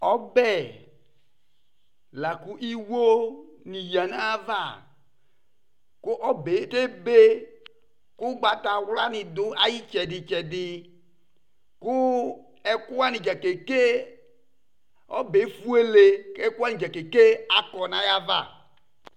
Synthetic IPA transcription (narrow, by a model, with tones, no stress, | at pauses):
ɔ˦bɛ˦˨ | la˨ku˦ʔi˦wo˦ni˨ja˨na˦va˦˨ | kʊ˦ʔɔ˦be˨˦te˦be˦ | kʊ˦ɡ͡ba˨ta˨wla˦nɪ˨dʊ˦ʔa˦ji˦t͡ʃɛ˨dɪ˨t͡ʃɛ˨dɪ˨ | kʊ˦ | ɛ˦kʊ˦a˦nɪ˨d͡ʒa˨ke˨ke˦ | ɔ˦be˨˦fu˦e˦le˨ɛ˦ku˦a˦nɪ̃˨d͡ʒa˨ke˨ke˦a˨kɔ˨na˨ja˦va̰˦˨